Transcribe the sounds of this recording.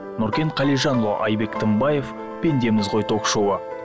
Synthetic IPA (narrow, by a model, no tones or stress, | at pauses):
nʊɾkʲe̞ɴqʰɑlijʒɑnlˠo̰ʔɑjbe̞kt̪ʰəmbɑje̞f | pe̞nd̪e̞mɪzʁojt̪ʰo̞kʃowə